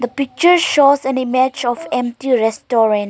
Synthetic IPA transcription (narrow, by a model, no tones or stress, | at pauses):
d̪əpik̚t͡ʃəɹʃozɛ̃nimɛd͡ʒɔfɛ̃mp̚tiɾɛstɔɾə̃n